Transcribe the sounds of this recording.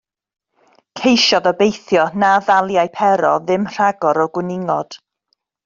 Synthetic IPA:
kʰejʃɔðɔbejθjɔnavalˠjajpʰɛɾɔðɪmr̥aɡɔɾɔɡwɪnɪŋɔd̥

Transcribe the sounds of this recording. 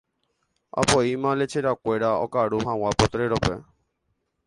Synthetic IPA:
a̰pɔimãlet͡ʃʰeɾakweɾaɔ̰kaɽuɦãwapɔt̪ɾeɾɔpɛ

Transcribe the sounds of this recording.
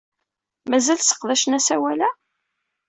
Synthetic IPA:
mæzælsə̥qðæʃənæsæwælæ

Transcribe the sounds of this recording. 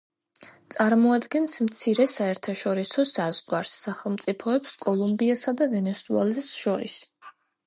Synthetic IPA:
t̪sʼaɾmɔad̪ɡɛnsmt̪sʰiɾɛsaɛɾt̪ʰaʃɔɾisɔsaz̥ʁwaɾsːaχɛlˠmt̪sʼipʰɔɛpskʼɔlˠumbiasad̪avɛnɛsuɛ̰lɛsʃɔɾḭs

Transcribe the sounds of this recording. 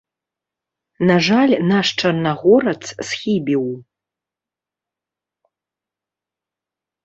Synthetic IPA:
naʐalʲnaʂʈ͡ʂʰanːaʁoɾɐt͡sʰsχʲibiw

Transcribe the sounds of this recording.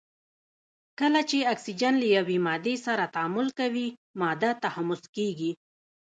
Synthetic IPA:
kəlat͡ʃeaksid͡ʒanlajawemɑd̪esaɾat̪aamʊlkawimɑd̪at̪ahamʊskeɡi

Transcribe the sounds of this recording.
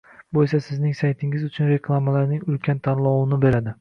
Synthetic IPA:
bojsasɪznɪŋsajt̪ʰɪŋɪzʊt͡ʃʰʊnɾe̞kʰlˠamalaɾnɪŋʊlkʲʰant̪ʰanlˠɒwɪnɪbe̞ɾad̪ɪ

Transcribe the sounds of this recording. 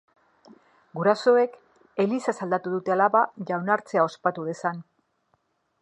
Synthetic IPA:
ɡuɾaso̞e̞k | e̞lisasald̪at̪uðut̪e̞alaβaʝawnaɾt͡se̞ao̞spat̪uðe̞san

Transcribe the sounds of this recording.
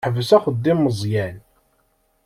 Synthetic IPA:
ħəvəsæχəd̪ːimːəzˤjæn

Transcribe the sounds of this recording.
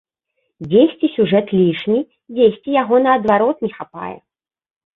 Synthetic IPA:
d͡zʲesʲt͡sʲisʲuʐɛt̪lʲiʂnʲi | d͡zʲesʲt͡sʲijaɣɔnɐːd̪vaɾɔt̪nʲɛxapa̰jɛ̰

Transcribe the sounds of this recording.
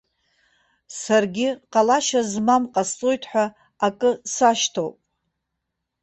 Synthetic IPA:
sarɡʲɪqʼalaʃazmamqʼast͡sʼojtʰħʷᶣa | akʼɨsaʃtʰo̰wpʼ

